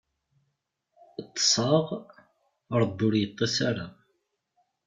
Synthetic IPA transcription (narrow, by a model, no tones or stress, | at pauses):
t̪ːə̥sˤɑʁ | əɾˤd̪ːʊɾjət̪ˤːɑsaɾa